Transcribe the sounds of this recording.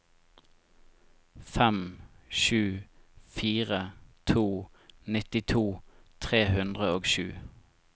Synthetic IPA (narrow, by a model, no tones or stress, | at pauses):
fɛmʃʉːfiːʁət̪ʰuːnɪt̪ɪt̪ʰuːt̪ʰʁeːhʉnd̪ʁəoːɡʃʉ̰ː